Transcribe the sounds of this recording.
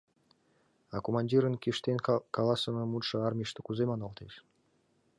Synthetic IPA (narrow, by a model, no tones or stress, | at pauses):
ɑkomɑnʲdʲiɾə̆nkʲiʃt̪enʲkɑlˠɑsɤ̆mɤ̆mut̪ʃɤ̆ɑrmʲiʃt̪ə̆kuzemɑnɑlˠt̪eʃ